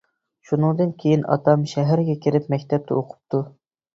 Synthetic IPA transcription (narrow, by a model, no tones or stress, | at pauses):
ʃunɨŋd̪ɨnkʲʰejinɑ̰t̪ʰɑmʃɛɦæɾɡʲɛkʲiɾɪpmɛkʲt̪ʰɛp̚t̪ʰɛoqʰʊ̥p̚t̪ʰu